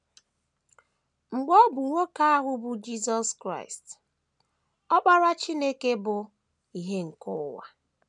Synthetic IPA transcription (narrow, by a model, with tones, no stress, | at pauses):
ŋ͡m̩˨ɡ͡bɔ˦bʊ˨ŋʷo˦ka˦a˦ɦʊ˦bʊ˨d͡ʒi˦zɔ˦skɾa̰˦˨ɪ˨st | ɔ˦k͡pa˦ɾa˦t͡ʃi˦ne˦ke˦bʊ˨ | i˨ɦe˦ŋ̩˨kʊ˦wa̰˨